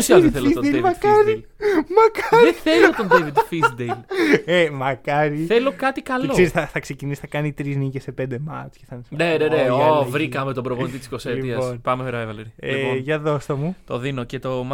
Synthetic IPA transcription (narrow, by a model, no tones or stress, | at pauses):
siɐθelfisod̪elemɐkkɐɾi | mɐkɐɾðeθθelot̪ondevid̪fisd̪ejlemɐkɐɾiθelokɐt̪ikɐlɐkoezsθɐθɐksecinisi̥θɐkɐnit̪ɾiznicesepend̪emɐ̰t͡ʃceθɐnsneneneovɾikɐme̞t̪obɾovonit̪it̪i̥skoselitiɐpsonpɐmefeɾɐevɐleɾieioʝɐðost̪omut̪oðinocet̪om